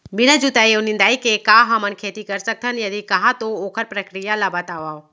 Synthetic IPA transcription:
bɪñad͡ʒut̪ajewnɪ̃nd̪aːikekaɦamənkʰeːt̪ikɐɾsək̚t̪ʰənjɐd̪ikɐɦãt̪ooːkʰəɾpɾəkɾijalabət̪aːʋaːo

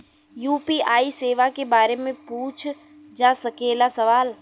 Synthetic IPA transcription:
juːpiːaːiseːʋakebaːɾemẽpuːt͡ʃʰ | d͡ʒaːsɐkeːlasɐʋaːl

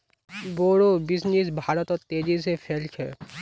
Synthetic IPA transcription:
boːɽobɪsnisbʱaːɾət̪ɔɾt̪eːd͡ʒisepʰɛːlkʰɛː

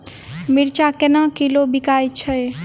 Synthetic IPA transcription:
miɾt͡ʃakenakilobikajt͡ʃʰəj

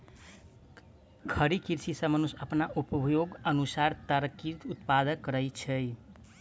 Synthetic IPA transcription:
kʰəɾikiɾsisəmənusəpnaʔupbʱjoɡənusaɾt̪əɾkiɾt̪ut̪pad̪ənkəɾəjt͡ʃʰɛj

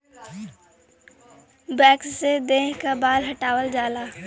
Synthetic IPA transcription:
bɛːkssed̪eːɦkabaːlɦɐʈaːwəld͡ʒaːlaː

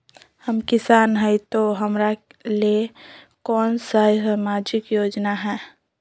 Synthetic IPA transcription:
həmkɪsaːnɦɛit̪oɦəmɾale | kɔːnsaisamaːd͡ʒɪkjoːd͡ʒnaɦɛː

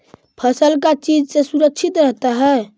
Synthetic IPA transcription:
pʰəsəlkat͡ʃid͡ʒsesuɾəkʃʰit̪ɾəɦt̪aɦɛe

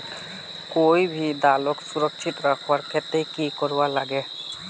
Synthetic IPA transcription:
kojbʱid̪aloksuɾɔkʃʰit̪ɾakʰwaɾkʰet̪ekikɔɾbalaɡɛ

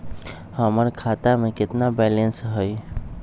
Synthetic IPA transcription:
həməɾkʰat̪amẽkɪt̪nabɛlensɦəj

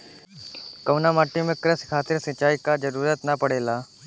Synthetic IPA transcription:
kɐʋnamaːʈːimẽkɾəskʰaːt̪ɪɾsɐt͡ʃaːikad͡ʒəɾuːɾət̪napəɽeːlaː

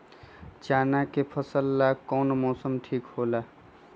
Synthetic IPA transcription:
t͡ʃaːnakepʰəsəlːaːkɔːnmɔːsəmʈʰiːkɦoːlaː

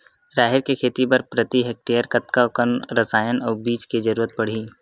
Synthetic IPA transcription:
ɾaːɦɪɾkekʰeːt̪ipɐɾpɾət̪iɦek̚ʈejəɾkɐt̪kaʊkənɾɐsaːjənɔːbiːt͡ʃked͡ʒɐɾuːɾət̪̚pɐɽ̤iː

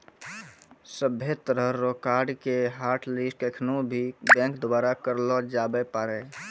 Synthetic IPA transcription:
səbʱjet̪əɾəːokaːɾɖkeɦaːɾʈlisʈkekʰnubʱibɛ̃ːŋkd̪obaːɾakəɾlɔd͡ʒabepaːɾɛ

